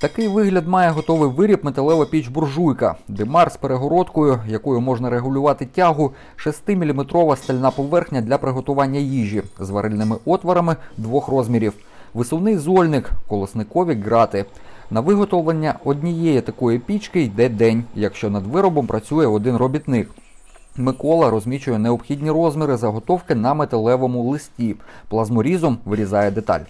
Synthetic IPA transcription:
t̪ɐkɪjʋɪɦlʲɐd̪mɑjɛɦɔt̪ɔʋɪjʋɪɾʲipmet̪ɐlˠɛʋɐpʲit͡ʃbʊrʒujkɐ̰d̪ɛmɑrspeɾeɦɔɾɔt̪kɔjʊjɐkɔjʊmɔʐnɐɾeɦʊlʲʊʋɑt̪ɪtʲɑɦʊ | ʃɐst̪ɪmʲilʲimet̪ɾɔʋɐst̪ɐlʲnɑpɔʋɛrxnʲɐd̪lʲɐpɾɪɦɔt̪ʊʋɑnʲːɐjiʒʲizʋɐɾʔɪlʲnɪmɪʔɔt̪ʋɐɾɐmɪd̪ʋɔxrɔzʲmʲiɾʲiw | ʋɪsɔwnɪjzɔlʲnɪkkɔlˠɪsnɪkɔʋʲiɡɾɑt̪ɪnɐʋɪɦɔt̪ɔʋɐnʲːɐɔd̪ʲnʲijɛjɛt̪ɐkɔjipʲit͡ʃkɪjd̪ɛd̪ɛnʲjɐkʃt͡ʃɔnɐd̪ʋɪɾɔbɔmpɾɐt͡sʲujɛɔd̪ɪnrɔbʲit̪nɪk | mɪkɔlˠɐɾɔzʲmʲit͡ʃʊjɛneɔbxʲidʲnʲirɔzmʲiɾɪzɐɦɔt̪ɔwkɪnɐmet̪ɐlˠɛʋɔmʊlˠɪsʲtʲiplˠɐzmɔɾʲizɔmʋɪɾʲizɑjɛd̪et̪ɑ̰lʲ

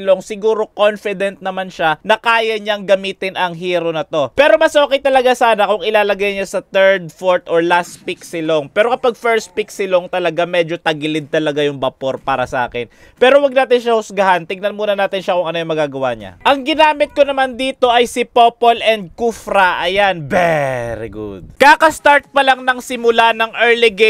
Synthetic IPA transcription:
loŋsɪɡuːɾo̞konfɪd̪ɛnt̪̚nɐmanʃanɐkaːjɐɲɐŋɡɐmiːt̪ɪnʔɐŋɦiːɾonɐt̪o̞pɛːɾo̞mɐsoːkɪjt̪ɐlɐɡasaːnɐkʊŋɪlaːlɐɡajnɲasɐt̪ɛɹd̪̚foɹt̪ʔoɹlast̪piksɪloŋpɛːɾo̞kɐpaɡ̚fɛɹst̪̚piksɪloŋt̪ɐlɐɡamɛd͡ʒo̞t̪ɐɡɪlɪd̪̚t̪ɐlɐɡajʊŋbɐpo̞ɾpaːɾɐsɐʔa̰ːkɪn | pɛːɾo̞wɐɡ̚naːt̪ɪnʃahʊsɡɐhant̪ɪɡ̚nɐnmuːnɐnaːt̪ɪnʃakʊŋɐno̞jʊŋmɐɡaːɡɐwa̰ɲa̰ʔɐŋɡɪnaːmɪt̪̚konɐmand̪iːt̪o̞ʔɐjsɪpopolʔɛnd̪̚kufɾɐʔɐjanvɛɾḭɡṵd̪̚kakɐst̪aɹt̪̚pɐlaŋnɐŋsɪmʊlanɐŋʔɛɹliɡe

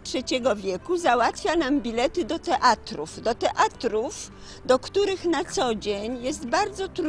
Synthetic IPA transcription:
tʂɛt͡ɕɛɡɔvʲjɛkuzawat̪fʲjanambʲilɛt̪ɘd̪ɔt̪ɛʔat̪ɾṵvd̪ɔt̪ɛʔat̪ɾuf | d̪ɔkt̪uɾɘxnat̪sɔd͡ʑeɲjɛst̪baɾd̪zɔt̪ɾ

